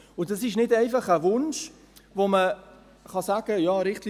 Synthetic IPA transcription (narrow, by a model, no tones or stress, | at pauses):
ʊdɑsɪʃnɪdɛɪfɑχəʋʊnʃ | vomə | χɑsaːɡ̥əjɑːɾɪχtl